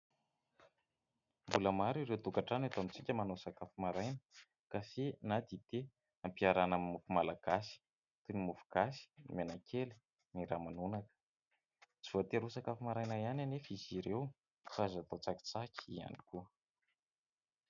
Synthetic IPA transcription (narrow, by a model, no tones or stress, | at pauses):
mbuləmaɾiɾewt̪ukaʈ͡ʂanat̪amit͡sikʲəmanosakafimaɾajnə̥ | kafenad̪it̪e | ampiaɾanamimufumalaɡ̥asi̥ | t̪unimufu̥ɡ̥asi̥imenakʰeli̥ | niɾamanunakə̥ | t͡si̥voat̪eɾusakafimaɾajnaiananefiziɾew | fazat̪ot͡saki̥t͡sakʲi̥ia̰nikuə